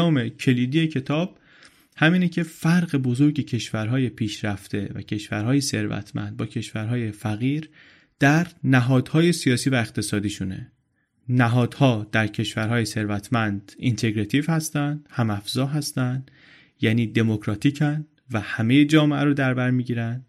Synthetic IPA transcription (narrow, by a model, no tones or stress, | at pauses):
ɒːmecʰe̞liːd̪ijecʰe̞t̪ʰɒːb̥̚ | hæmiːnecʰe̞fæɾɣe̞bo̞zo̞ɾɟe̞cʰe̞ʃvæɾɦɒːje̞pʰiːʃɾæft̪e̞væ̰cʰe̞ʃvæɾɦɒːje̞se̞ɾvæ̰t̪ʰmæ̰nd̪̥̚bɒːcʰe̞ʃvæɾɦɒːje̞fæɣiːɾ | d̪̥æɾnæɦɒːd̪̥hɒːje̞sijɒːsiːvæe̞xt̪ʰe̞sɒːd̪iːʃune̞̰ | næɦɒːd̪̥hɒːd̪æɾcʰe̞ʃvæɾɦɒːjese̞ɾvæt̪ʰmænd̪̥int̪ʰe̞ɡɾet̪ʰiːvhæst̪ænd̪̥hæmæfzɒːɦæst̪ænd̪ | jæːniːd̪e̞mo̞kʰɾɒːt̪ʰiːcʰæn | væhæme̞jed͡ʒɒːmeʔæɾod̪æɾbæɾmiːɟiːɾænd̪